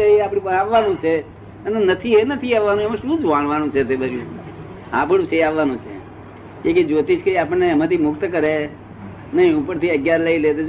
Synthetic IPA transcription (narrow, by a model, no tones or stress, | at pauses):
əeapɽ̃ĩpəaʋːanũt͡ʃʰe | ənenət̪ʰienət̪ʰiaʋːanũmãʃũːd͡ʒʋaɳ̃ʋanũt͡ʃʰet̪ebəɾjũː | a̰ːpɽũt͡ʃʰeaʋːanũt͡ʃʰḛ | keked͡ʒot̪it͡ʃʰkəiapəɳneəmãt̪ʰimʊkt̪kəɾe | nəĩupəɾt̪ʰiəɡjaɾləilet̪e